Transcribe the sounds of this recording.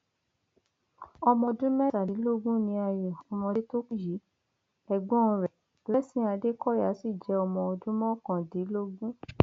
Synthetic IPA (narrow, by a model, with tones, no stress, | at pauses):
ɔ˧mɔ̃˧dũ˦mɛ̃˦ta˨di˨˦lo˦ɡũ˦nĩ˧a˧jɔ˨fũ˨˦mɔ̃˧e˦to˦˨ji˨˦ | ɛ˧ɡ͡bɔ̃˦˧ɾɛ˨ | lɛ˦sĩ˦a˧de˦kɔ˦ja˨˦si˦˨d͡ʒɛ˨˧˦ɔ˧mɔ̃˧ɔ˧dũ˦mɔ̃˦kã˨di˨˦lo˦ɡũ˦